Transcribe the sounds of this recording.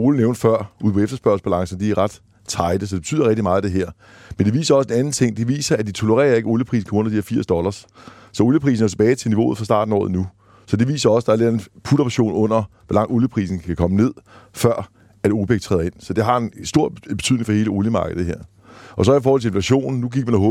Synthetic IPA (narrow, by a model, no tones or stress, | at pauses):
o̝ləneʊnd̥fɶɐ̰uð̰ˠpʰɒ̽efd̥ɐsb̥ɶɐsb̥ælɑ̈ŋsn̩d̥iæʁäd̥ | t͡sʰɑ̈ɪd̥əs̬ɒ̽deb̥et͡sʰy̰ð̰ˠɐʁɛɡ̥d̥imɑ̈ːð̩ˠd̥e̝ɦæɐ̰ | mend̥eʋḭːsɐɒ̽se̝næn̩t͡sʰe̝ŋ̰d̥e̝ʋḭːsɐæd̥it͡sʰo̝loʁɛ̰ːɐe̝ɡ̥əoljəpʰʁḭːs̬n̩kʰɒɔ̽n̰ɐd̥iheɐfḭːɐsd̥ɒ̽lɐs | sɒ̽o̝ljəpʰʁḭːsn̩ɒ̽t͡sʰe̝b̥ɛːɪt͡sʰe̝lniʋo̝̰ːð̩ˠfɑsd̥ɑ̈ːd̥n̩ɒ̰ːð̩ˠnu | sɒ̽d̥e̝ʋḭːsɐɒ̽sd̥ɑ̈æɐle̝denpʰuɾ̥ɐ̥ɕo̝̰ːnɔ̽n̰ɐʋɒlɑ̈ŋ̰d̥oljəpʰʁḭːsn̩kʰækʰɒ̽məne̝ð̞̰ˠfɶɐ̰ | æd̥oːb̥eɡ̥̚t͡sʰʁɛ̰ːðˠe̝n̰sɒ̽d̥e̝ɦɑ̈e̝nsd̥o̝ɐ̰b̥e̝t͡sʰy̰ðˠneŋ̩fɒhe̝ːləoljəmɑ̈ːɡ̥əð̩ˠɦeɐ̰ | ʔɒ̽s̬ɒ̽ifɔːhɒlt͡sʰe̝e̝nflæɕo̝̰ːnn̩nːuɡ̥iɡ̥̚mænæɦɔ̽ː